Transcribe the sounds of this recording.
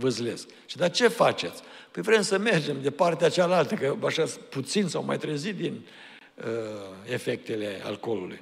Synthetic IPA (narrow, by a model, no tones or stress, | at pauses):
vəzle̞sk̚ | ʃid̪at͡ʃe̞fat͡ʃe̞t̪sʲ | pəjvɾe̞msəme̞rd͡ʒe̞md̪e̞part̪eat͡ʃealalt̪əkəaʃasput̪sinsawma̰jt̪ɾezit̪̚d̪in | əefek̚t̪e̞le̞a̰lko̞lulṵj